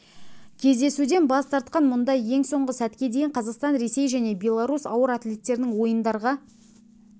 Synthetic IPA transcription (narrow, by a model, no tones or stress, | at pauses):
kʲʰe̞zd̪e̞sud̪e̞nbɑst̪ɑɾt̪qɑnmʊnd̪ɑje̞ŋso̞ɴʁəsæt̪kʲe̞d̪e̞jɪɴqʰɑzɑqst̪ɑnɾe̞se̞jʒæne̞bʲe̞lˠaɾusɑwəɾat̪lʲe̞t̪ːe̞ɾɪnɪŋwo̞jənd̪ɑɾʁɑ